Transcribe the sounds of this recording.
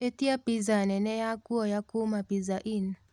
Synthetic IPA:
ɛtiapizanɛnɛjakuɔjakumapizaʔin

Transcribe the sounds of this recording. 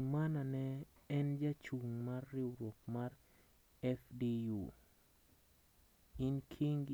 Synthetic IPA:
mananɛɛnd͡ʒat͡ʃuŋmarːɪwɾwɔk̚maɾ | ɛfdiju | ɪnkʰiŋɡ

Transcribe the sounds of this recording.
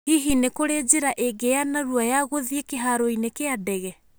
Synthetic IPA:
hiɦinekoɾed͡ʑiɾaʔeɡejanaɾuajaɣoðiekeɦaɾoinekeadɛɣɛ

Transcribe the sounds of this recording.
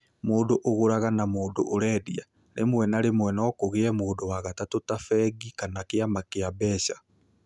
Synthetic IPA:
moːdoʔoɣoɾaɣanamoːdo̰ʔːɾɛːdia | ɾḛmwɛnaɾemwɛnɔkoɣeɛmoːdowaɣatatotafɛɡikanakeamakeabɛɕḁ

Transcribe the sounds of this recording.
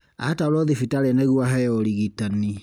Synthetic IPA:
atalɔðifitaɾɛnɛɣuaɦɛjɔɾiɣitani

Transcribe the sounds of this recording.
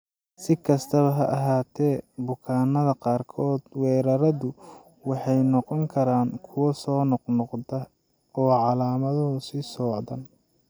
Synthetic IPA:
sɪkʰɐst̪ʰɐβɐɦɐʔɐɦaːt̪ʰɛːbʊkʰaːnɐðɐqɑːrkʰɔːd̪̥wɛːɾɐɾɐðʊ | wɑħɑjnɔqɔŋkʰɐɾaːŋkʰʊwɐsɔːnɔqnɔqdɐ | ɔːʕɑlaːmɐðʊsɪsɔːʕd̪ɐn

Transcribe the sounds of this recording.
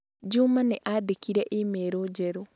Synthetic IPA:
d͡ʒumaneʔadekiɾeʔimeːɾod͡ʒeɾo

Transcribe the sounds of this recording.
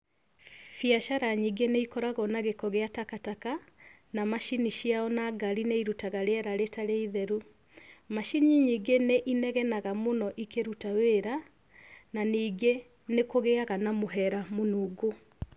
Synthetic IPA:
fiaʃaɾaɲiɡeneikɔɾaɣɔnaɣekɔɣeatakataka | namaʃiniʃiaɔnaɡaɾineiɾutaɣaɾeɛɾaɾetaɾeiðɛɾu | maʃiɲiɲiɡeneʔinɛɣɛnaɣamonɔʔikeɾutaweɾa | naniɡe | nekoɣeaɣanamoɦɛɾamonuːɡo

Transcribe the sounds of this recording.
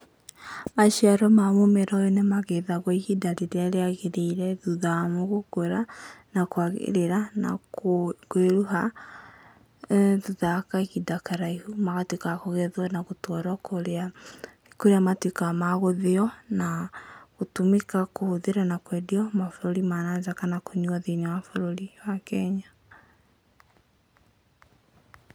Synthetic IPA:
maʃiaɾɔmamomeɾaɔenemaɣeðaɣɔiɣidaɾiɾeaɾeaɣeɾeiɾɛðuðamoɣoɡoɾanakoaɣḛɾeɾana̰kkweɾuɦa | ðuðakaiɣidakaɾaihumaɣatwikakoɣɛðwanaɣotwɔɾɔkoɾea | koɾeamatwekamaɣoðeɔnaɣotumekakohoðeɾanakwɛdiɔmafoɾoɾimanazakanakoɲuaðenimafoɾoɾiwakɛɲa

